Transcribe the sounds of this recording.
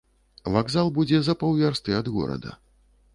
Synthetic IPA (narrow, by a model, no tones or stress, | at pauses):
vaɡzalˠbud͡zʲɛzɐpɐwvʲarst̪ɨɐd̪ɣɔ̰ɾɐ̰d̪ɐ̰